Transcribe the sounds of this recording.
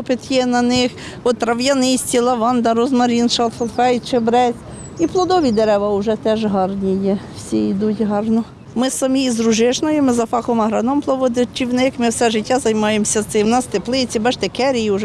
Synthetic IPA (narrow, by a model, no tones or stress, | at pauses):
ɔpɪt̪jɛnɐnɪx | ɔt̪ːɾɐʋjɐnɪsʲtʲilˠɐʋɑnd̪ɐɾɔzmɐɾʲinʃɐlˠfɔlfɛjt͡ʃɪbɾɛzʲ | iplˠɔd̪ɔʋʲid̪eɾɛʋɐʊʒɛt̪ɛʒɦɑrnʲijɛwsʲiid̪utʲɦɑrnɔ | mɪsɐmʲizɾʊʒɪʃnɔjɪmɪzɐfɑkɔmɐɦɾɑnɔmplˠɔʋɔd̪ɪt͡ʃiwnɪkmɪwsɛʒɪtʲːazɐjmɑjemsʲɐt̪sɪwnɑst̪eplˠɪt͡sʲibɛʃt̪ekɛɾʲijiʊʒɛ